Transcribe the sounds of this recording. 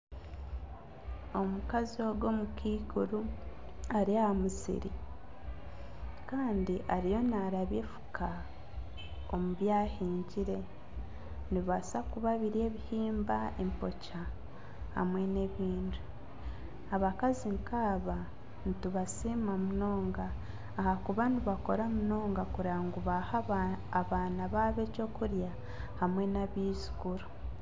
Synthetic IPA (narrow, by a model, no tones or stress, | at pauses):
o̞mukazio̞ɡo̞mukʰiːkuɾu | aɾiahamusḭɾḭ | kaːndiʔaɾijo̞naɾaβefu̥kʰa | omuβjaːhiːɲɟiɾe̞ | niβasakuβaβiɾe̞ːβihiːmbae̞mpo̞ca | ha̰mwe̞ne̞βiːndu | aβakaziŋkʰaːβa | nituβasimamuno̞ːŋɡaː | hakuβaniβako̞ɾamuno̞ːŋɡakuɾaːŋɡuβahaːβaːnaβaːβe̞co̞ːkuɾja | hamwe̞naβiːzu̥ɡ̥uɾo